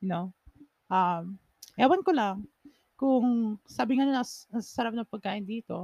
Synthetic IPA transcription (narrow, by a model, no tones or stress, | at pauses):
no | ʔam | ʔɛːwɐnkolaŋ | kʊŋsaːbɪŋanonɐnɐsasɐɾap̚nɐŋpɐɡ̚kaːʔɪnd̪iːt̪o̞